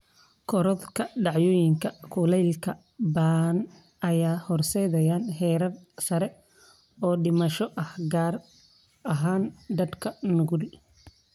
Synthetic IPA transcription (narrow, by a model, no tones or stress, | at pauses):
kʰɔɾɔðkʰɐɖɑʕjɔːjɪŋkʰɐkʰʊlɛjlkʰɐ | baːn | ɐjaːhɔrsɛjðɐjaːnɦɛːɾɐrsɐɾɛ | ɔːɖɪmɐʃɔʔɐhɡaːr | ɐɦaːnd̪ɐd̪kʰɐnʊɣɾɪ